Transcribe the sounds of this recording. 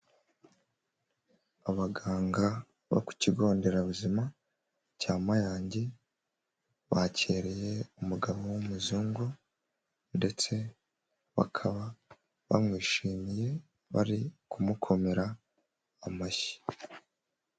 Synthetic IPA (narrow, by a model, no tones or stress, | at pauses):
aβaɡaːŋɡa | βa̰ku̥ciɡo̞ːnde̞ɾaβuzima | caːmajaːɲɟe̞ | βacʰe̞ːɾe̞je̞umuɡaβo̞wumuzuːŋɡu | nde̞t͡se̞ | βa̰kʰaβa | βa̰mŋiːʃiːmije̞ | βa̰ɾikumukʰo̞me̞ɾaː | maʃi̥